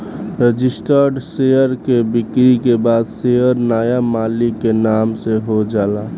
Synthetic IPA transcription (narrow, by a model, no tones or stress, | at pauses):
ɾəd͡ʒɪsʈəɾɖsejəɾkebɪkɾikebad̪sejəɾnaːjamaːlikːenaːmseɦod͡ʒaːla